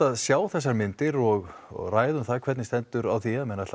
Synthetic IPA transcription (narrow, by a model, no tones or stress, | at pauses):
aðsjaːwθɛs̬ːaɾmɪnt̪ɪɾɔɣraːjðʏmθakʰvɛt̪nɪst̪ɛnt̪ʏɾawθiaðmɛnatl